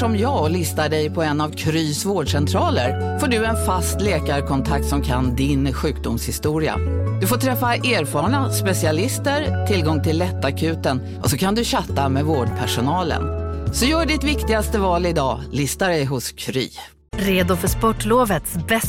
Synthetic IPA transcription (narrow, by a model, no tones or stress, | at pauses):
ɔmjɑːɡlɪst̪aɖɛjpʰɔɛnːavkʰɾyːsvoːɖʂɛnt̪ʰɾɑːləɾfoːɖɵɛnfast̪leːkaɾkʰɔnt̪ʰak̚t̪sɔmkʰand̪ɪnɧʉ̟ːk̚d̪ʊmshɪst̪uːɾɪa̰d̪̥ɵfoːʈ̪ʰɾɛfːaʔeːɾfɑːɳaspɛsɪalɪst̪əɾt̪ʰɪlɡɔŋːt̪ʰɪlːɛt̪ːakʰʉ̟ːt̪ən | ʔɔsɔkʰand̪ɵɕat̪ːamɛvoːɖpʰæʂʊnɑːlə̰nsɔjœːɖɪt̪vɪkt̪ɪɡast̪əvɑːlɪd̪ɑːlɪst̪aɖɛjɦʊskʰɾy̰ː | ɾeːd̪ʊfœʂpɔʈːloːvət̪sbɛ